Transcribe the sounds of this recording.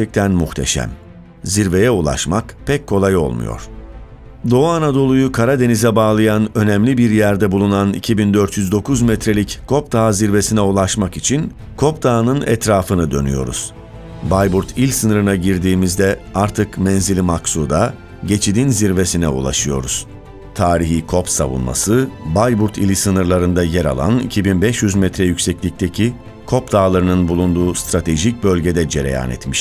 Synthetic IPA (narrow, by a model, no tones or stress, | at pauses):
ɾt͡ʃʰɛc̚t̪ʰænmuxt̪ʰe̞̰ʃæ̰m | ziɾve̞jɛulˠa̰ʃmakpʰɛckʰːo̞lˠajo̞̰lˠmṵjo̰ɾ̥ | d̪o̞anad̪o̞lˠujukʰaɾad̪e̞nizɛbaːlˠɯjanø̞nɛmlʲibiɾjæɾd̪ɛbulˠunanḭcʰibind̪øɾt̪jyzd̪o̞kʰuzmɛt̪ɾe̞lʲickʰo̞p̚t̪ʰaːziɾve̞sinɛulˠaʃmakit͡ʃʰin | kʰo̞pt̪ʰaːnɯnɛ̰t̪ɾaːfɯnɯd̪ø̞̰ny̰jo̞̰ɾṵz̥ | bajbuɾt̪ʰilʲsɯnɯɾɯnaɟiɾd̪iːmizd̪ɛaɾt̪ʰɯkmɛnzilʲimaksud̪a | ɟe̞t͡ʃʰid̪inziɾve̞sinɛṵlˠa̰ʃɯjo̞̰ɾṵz̥ | t̪ʰaːɾiɦikʰo̞psa̰vṵnma̰sɯbajbuɾt̪ʰilʲisɯnɯɾlˠaɾɯnd̪ajɛɾa̰lˠa̰nicʰibinbɛʃjyzmɛt̪ɾɛjycsɛclʲic̚t̪ʰecʰi | kʰo̞pd̪aːlˠaɾɯnɯnbulˠund̪uːst̪ɾat̪ʰe̞ʒic̚bø̞lʲɟed̪ɛd͡ʒe̞ɾḛja̰ːnɛ̰t̪miʃ